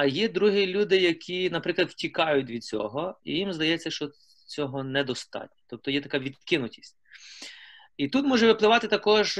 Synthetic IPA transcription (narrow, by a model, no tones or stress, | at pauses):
ɐjid̪ɾuɦilʲud̪ɪjɐkʰʲinɐpɾɪklˠɐd̪wtʲikɑjʊt̚ʲʋʲid̪̚t͡sʲɔ̰ɦɔḭjimzd̪ɐjɛt͡sʲːɐʃt͡ʃɔ | t͡sʲɔɦɔnɛd̪ɔst̪ɑ̰tʲnʲɐ̥t̪ɔp̚t̪ɔjɛt̪ɐkaʋʲid̪kɪnʊtʲi̥sʲtʲ | it̪ut̪mɔʒɛʋɪplˠɪʋɑt̪ɪt̪ɐkɔʒ